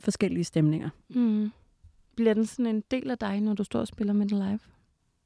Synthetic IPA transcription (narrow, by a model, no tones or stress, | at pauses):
fɒ̽sɡ̥el̰iəsd̥emne̝ŋɐ | b̥liɐd̥ensɒ̽ne̝nd̥e̝̰ːlæd̥ɑ̈ɪnɒd̥usd̥ɒ̰ːɒsb̥e̝lɐmed̥enlɑ̈ɪʋ